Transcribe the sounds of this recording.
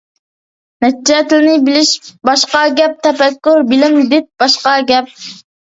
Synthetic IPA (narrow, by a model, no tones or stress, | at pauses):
nɛt̪̚t͡ʃɛt̪ɪlɪnɪbɪlɪʃbɑʃqɑɡʲɛp̚t̪ʰɛpɛkʲːuɾbɪlɪmid̪ɪt̪̚b̥ɑʃqɑɡʲɛp̚